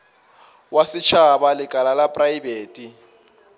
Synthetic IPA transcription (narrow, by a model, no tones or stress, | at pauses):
wasɪt͡ʃʰabalɪkʼalalapʼraibeːtʼi